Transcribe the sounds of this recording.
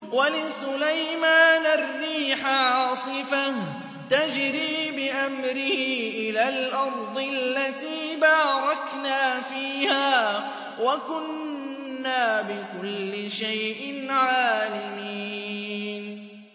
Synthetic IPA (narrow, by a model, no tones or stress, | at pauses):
walɪsʊlajmaːnarˤːiːħaʕɑsˤɨfah | t̪ad͡ʒɾiːbɪʔamɾɪhiːʔɪlaːlʔɑɾˤd̪ˤɨlːat̪iːbaːɾˤɑknaːfiːhaː | wakʊnː | aːbɪkʊlːɪʃajʔɪnʕaːlami | n